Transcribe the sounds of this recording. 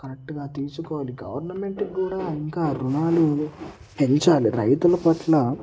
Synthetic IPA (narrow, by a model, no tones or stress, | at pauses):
kɐɾek̚ʈɡaːt̪iːsukɔːʋaːliɡɐʋɐɾnɐme̞ɳʈkːuːɽaːiŋkaːɾunaːlu | pe̞ɲt͡ʃaːliɾɐjt̪ulɐpɐʈlɐ